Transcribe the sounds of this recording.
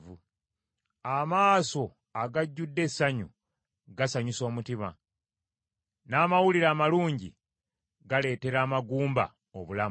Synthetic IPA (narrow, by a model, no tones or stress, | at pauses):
u | amaːso̞ | aɡaɟːudːe̞sːaɲṵ | ɡasaɲiso̞ːmutima̰ | naːmawuliɾaːmaluːɲɟḭ | ɡale̞ːte̞ɾaːmaɡuːmba̰ | oβulam